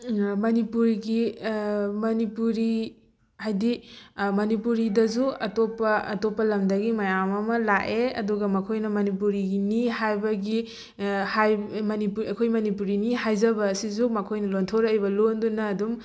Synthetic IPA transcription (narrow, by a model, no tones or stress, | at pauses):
mɐnipuɾɡi | mɐnipuɾi | hajdimɐnipuɾidɐzuɐtopːɐ̰ːtopːɐlɐmdɐɡimɐjamɐmɐlaʔeɐ̰duɡɐmɐkʰojnɐmɐnipuɾiɡiniɦajbɐɡi | hajmɐnipuɾiɐkʰojmɐnipuɾiniɦajzɐbɐːsizumɐkʰojnɐlontʰoɾjbɐlondunɐːdum